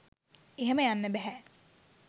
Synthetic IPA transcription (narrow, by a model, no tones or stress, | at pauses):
eɦeməjanːəbæɦɛ